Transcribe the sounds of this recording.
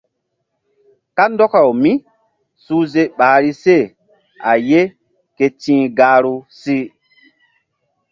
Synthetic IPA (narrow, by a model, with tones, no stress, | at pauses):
ka˦ndɔ˦ka˨wmĩ˦ | suː˦ze˦ɓaː˨ɾi˦se˦˨ | a˨je˦ | ke˨tĩː˦ɡaː˦ɾu˦si˦